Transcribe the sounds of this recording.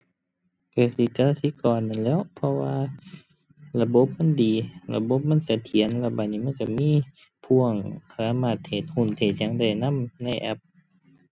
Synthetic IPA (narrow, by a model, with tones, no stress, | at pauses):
pʰa˧˩si˧˩t͡ɕa˧la˧sʰi˧˥˨kɔː˨˩nːa˧˨nlɛː˧˥˩wpʰɔ˧waː˧ | la˧bo˧˦p̚ma˧˥˨ndiː˨la̰˧bo˧˦p̚ma˧˥˨nsa˧˦t̪ʰi˨˦ənlɛ˧˩ba˧˩niː˧˩ma˧˥˨nka˧˩miː˧˥˨ | pʰu˧˩əŋkʰaːaː˧˥˨maː˧˩t̪ʰːeː˨˩t̪̚hu˧˩˨nt̪ʰeː˨˩t̪̚ɲa˧˥ŋda˧˩jna˧˥˨mna˧˩jʔɛ̰˧˦p̚